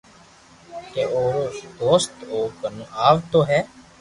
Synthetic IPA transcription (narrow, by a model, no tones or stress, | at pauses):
keoːd̪oːst̪oːkənũaːʋt̪oːɦɛː